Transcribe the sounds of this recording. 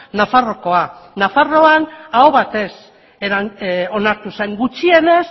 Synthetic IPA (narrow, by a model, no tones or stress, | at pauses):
nafaro̞ko̞anafaro̞anaoβat̪e̞s | eɾao̞naɾt̪use̞ŋɡut͡ʃie̞ne̞s